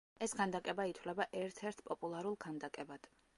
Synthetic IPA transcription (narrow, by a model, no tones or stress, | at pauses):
ɛskʰand̪akʼɛbait̪ʰwlɛbaʔɛɾt̪ʰɛɾt̪ʰpʼɔpʼulˠaɾulˠkʰand̪akʼɛbad̪̥